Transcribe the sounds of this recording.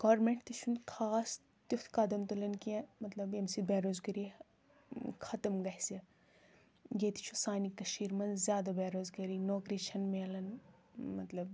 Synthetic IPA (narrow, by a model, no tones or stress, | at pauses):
ɡ̥aːɾmeɳʈt̪it͡ʃʰunkʰaːs | t̪uft̪ʰkɐd̪ɐmt̪ulɐnkiẽmɐt̪lɐbemsibɛːɾoːzɡɐɾi | kʰɐt̪ɐmɡɐhʲsi | ɡeːt̪i̥t͡ʃʰusaːnikːɐʃiːɾmɐnzʲjaːd̪ɐbeːɾoːzɡɐɾinoːkɾit͡ʃʰɐnmeɐlɐnmɐt̪lɐb